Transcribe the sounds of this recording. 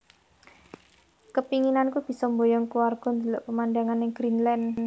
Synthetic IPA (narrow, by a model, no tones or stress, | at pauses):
kəpiŋinankub̥i̤sɔmbojɔŋkuwarɡ̥ɔ̤nd̪ila̰ʔpəmandaŋanɪŋɡ̥ɾinlɛn